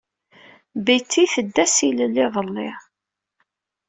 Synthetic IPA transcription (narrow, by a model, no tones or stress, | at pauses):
bijt͡sːiθəd̪ːæsiləlːɪðˤəlːɪ